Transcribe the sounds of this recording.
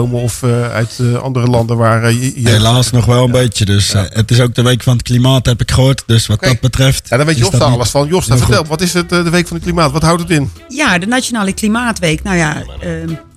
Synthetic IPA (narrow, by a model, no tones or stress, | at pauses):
owməɔfœ̰ɥtɑ̰ndərəlɑndənʋaːɹɦelaːsnɔχʋɛlˠənbejtjədøsətɪs̬owk̚dəʋejkfɑnətklimaːtɦɛpɪkχəɦoːɹtdøsʋɑt̚dɑbətrɛftːdɔnʋejtjodalˠəsfɑnjɔsafətɛlˠtʋɑtɪsətdəʋejkfɑnəklimaːtʋɑtɦawtətɪnjaːdənaonaːləklimaːtʋejknawjaə